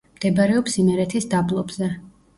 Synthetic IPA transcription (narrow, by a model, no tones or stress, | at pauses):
md̪̥ɛbaɾɛɔpsimɛɾɛt̪ʰisd̪ablˠɔbzɛ